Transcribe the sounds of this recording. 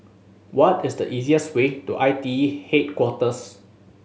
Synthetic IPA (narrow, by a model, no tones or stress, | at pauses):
wɔtɪsdəʔiziəswetuʔajtihet̚kwɔtəs